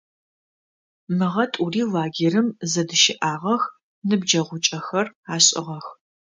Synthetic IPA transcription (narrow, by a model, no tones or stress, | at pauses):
mɨʁɐtʼuriːlaːɡʲerɨmzɐdɨʃɪʔaːʁɐx | nɨbd͡ʒɐʁʷʊt͡ʃʼɐxɐraːɕʼɪ̰ʁɐx